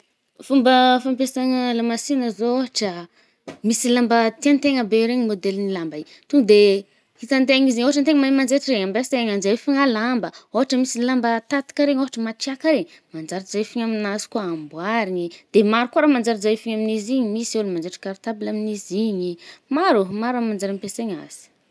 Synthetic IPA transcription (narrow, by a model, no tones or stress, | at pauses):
fumbəfampesaŋəlamasinəzooɦaʈ͡ʂə | misilambət̪iant̪eŋəbeɾeɲimod̪elnilambai | t̪uŋd̪e | hit̪ant̪̬eŋiziɲoɦaʈ͡ʂant̪eŋmamand͡zeʈ͡ʂireɲambaseŋand͡ʒajfiŋalambəoɦaʈ͡ʂəmisilambət̪at̪i̥kaɾeɲoaʈ͡ʂəmaʈ͡ʂiakaɾeɲ | mand͡ʒaɾzajfiɲaminazi̥kuaambwaɾiɲid̪̥emaɾikuɾamand͡zaɾzajfiɲaminiziɲimiselmand͡ʒeʈ͡ʂi̥kaɾit̪abilaminiziɲimaɾumaɾamand͡zaɾimpeseɲa̰z̥i̥